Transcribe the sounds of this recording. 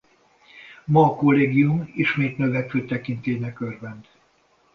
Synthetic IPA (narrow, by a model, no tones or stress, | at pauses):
mɒːko̞lːeːɡiumiʃmeːt̪nøvɛkøːt̪ɛkint̪eːnɛkørvɛnt̪